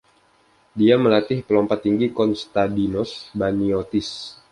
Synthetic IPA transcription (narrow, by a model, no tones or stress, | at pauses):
diaməlat̪ɪhpəlɔmpat̪ːiŋɡikɔnst̪adinɔsbaniot̪ɪs